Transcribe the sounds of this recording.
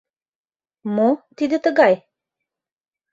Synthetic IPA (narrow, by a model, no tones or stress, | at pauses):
mot̪id̪et̪əɡaj